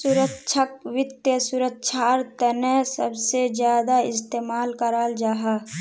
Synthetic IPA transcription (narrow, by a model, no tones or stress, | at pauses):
sʊɾəkʃʰək̚wɪt̪jəsʊɾəkːʃʰaɾt̪ənɛsəbsed͡ʒjaːd̪aɪst̪eːmaːlkəɾaːld͡ʒaːɦaː